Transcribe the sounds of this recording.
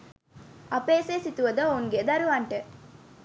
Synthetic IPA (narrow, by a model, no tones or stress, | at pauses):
ɐpeːseːsit̪uʋəd̪əouŋɡed̪ɐɾuʋaɳʈə